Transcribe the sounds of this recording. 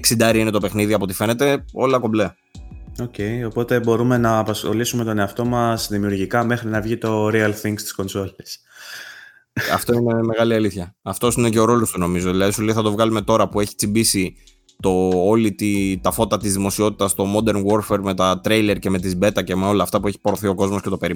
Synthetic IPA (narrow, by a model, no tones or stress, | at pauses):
eksind̪ɐɾiine̞t̪o̞pe̞xniðiɐpo̞t̪ife̞ne̞t̪e̞o̞lɐko̞ble | o̞ce̞jio̞po̞t̪e̞bo̞ɾume̞nɐːpɐsxo̞̰lisume̞t̪o̞ne̞ɐft̪o̞mɐzðimiuɾʝikɐme̞xɾinɐvʝit̪o̞ɾiɐlθiŋɡst̪i̥sko̞nso̞lis | ɐ̰ft̪o̞ine̞me̞ɣɐliɐliθçɐɐft̪o̞sine̞cɐo̞ɾo̞lo̞st̪uno̞mizo̞ðilɐðisuliθɐt̪o̞vɣɐlume̞t̪o̞ɾɐpue̞çi̥t͡simbisi | t̪o̞olit̪it̪ɐfo̞t̪ɐt̪izðimo̞sio̞t̪i̥t̪ɐst̪o̞mo̞d̪e̞ɾnɣo̞ɾfe̞ɾme̞t̪ɐt̪ɾe̞jle̞ɾce̞me̞t̪izbe̞t̪ɐce̞meo̞lɐːft̪ɐpue̞çi̥po̞ɾoθio̞ko̞zmosce̞t̪ope̞ɾi